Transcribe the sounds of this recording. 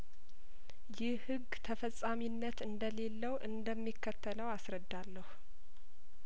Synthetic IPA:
jɪhɨɡːt̪ʰəfəsʼːaminːət̪ɨnd̪əle̞lːəwʔɨnd̪əmːikʰːət̪ʰːələwasɾəd̪ːalːəhu

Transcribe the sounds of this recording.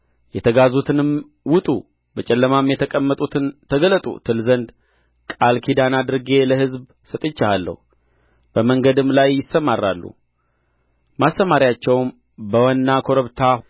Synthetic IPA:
jɛt̪ʰəɡazut̪ʰɨnɨm | wʊt̪ʼu | bət͡ʃʼɛlːəmamjɛt̪ʰəkʼəmːət̪ʼut̪ʰɨnt̪ʰəɡələt̪ʼṵt̪ʰɨlzənd̪ | kʼalkʰid̪anad̪ɨɾɡe̞ləhɨzb | sət̪ʼɨt͡ʃːahalːə̰hu | b̥əməŋɡəd̪ɨmlajːɪsːəmarːalːṵ | masːəmaɾijat͡ʃːɛwm | bəwanːakʰoɾəβt̪ʰa

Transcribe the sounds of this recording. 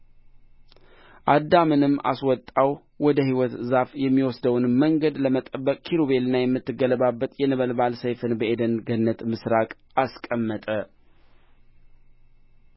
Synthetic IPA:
ʔad̪ːamɨnɨmːa̰swɔt̪ʼːaw | wɔd̪əhiwɔt̪zafjɛmːiwɔsd̪əwnməŋɡəd̪ləmət̪ʼəbːəkʼkʰiɾoβe̞lnːajɛmːɨt̪ːɨɡələbabːət̪ʼjɛnəβəlbalsəjfɨnbəʔed̪ənɡənːət̪mɨsɾakʼ | askʼəmːət̪ʼə

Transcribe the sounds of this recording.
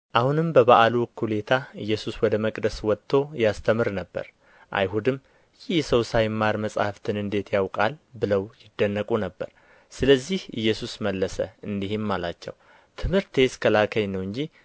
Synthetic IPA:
ʔahunɨmbəβaʔalukʰːule̞t̪ʰaɨjːɛsuswɔd̪əməkʼd̪əswɔt̪ʰːo̞jast̪ʰəmɨɾnəbːə̰ɾ | ʔa̰jɦud̪ɨm | jɪjsəwsajmːaɾməsʼhaft̪ʰɨnɨnd̪e̞t̪jawkʼalbɨləwjɪd̪ːənːəkʼunəbːə̰ɾ | sɨləzːihɨjːɛsusməlːəsə̰ɨnd̪ihɪmːalat͡ʃːɛ̰w | t̪ʰɨmhɨɾt̪ʰe̞skʰəlakʰəjnəwɨɲd͡ʒi

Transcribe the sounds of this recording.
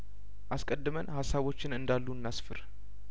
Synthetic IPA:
ʔaskʼəd̪ːɨmənhasːaβo̞t͡ʃːɪnɨnd̪alːunːasfɨɾ

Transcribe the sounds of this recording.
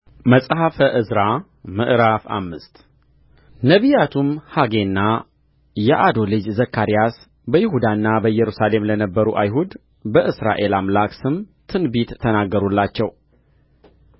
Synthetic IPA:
məsʼɦafəʔɨzɾa | mɨ̰ʔɾafa̰mːɨst̪ | nəβijat̪ʰumhaɡe̞nːa | jɛʔad̪o̞lɨd͡ʒzəkːaɾijas | bəjɪhud̪anːabəjɛɾusale̞mlənəbːəɾuʔajɦud̪ | bəʔɨsɾa̰ʔe̞lamlaksɨmt̪ʰɨnbit̪ʰːənaɡːəɾulːat͡ʃːɛw

